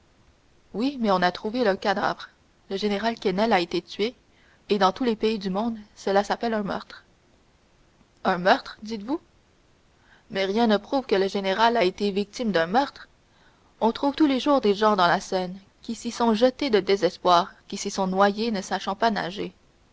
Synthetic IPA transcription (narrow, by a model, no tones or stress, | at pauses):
wimɛɔ̃nat̪χuveləkad̪a̰ːvʁ | ləʒeneʁalkɛnɛlaet̪et̪ɥeː | d̪ɑ̃t̪ulepeid̪ymɔ̃d̪səlasapɛlɛ̃mœ̰ʁt̪χ | ɛ̃mœʁt̪χd̪it̪vu | mɛʁjɛ̃nəpχuvkələʒeneʁalaet̪evik̚t̪imd̪ɛ̃mœʁt̪χ | ɔ̃t̪χuvt̪uleʒuːʁd̪eʒɑ̃d̪ɑ̃lasɛn | kʲisisɔ̃ʒət̪ed̪əd̪ezɛspwaːʁkʲisisɔ̃nwajenəsaʃɑ̃pana̰ʒe